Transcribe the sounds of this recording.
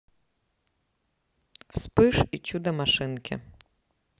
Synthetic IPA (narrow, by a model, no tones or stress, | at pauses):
wspɪʃit͡ʃud̪ɐmaʃɪnkʲʰɪ̰